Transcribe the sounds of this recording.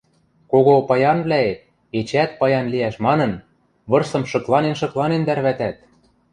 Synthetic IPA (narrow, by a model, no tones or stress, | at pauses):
koɣopɑjɑnβlæet̪̚ | et͡ɕæt̪̚pɑjɑnliæʃmɑnɤ̆n | βɤ̆rsɤ̆mʃɤ̆klˠɑnenʃɤ̆klˠɑnend̪ærβæt̪æt̪̚